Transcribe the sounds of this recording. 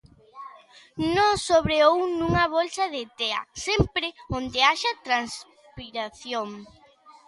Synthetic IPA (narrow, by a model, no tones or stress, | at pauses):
nõŋsoβɾeownũŋɐβolsɐðet̪eɐ̰sempɾeond̪eaʃat̪ɾans | piɾaθjoŋ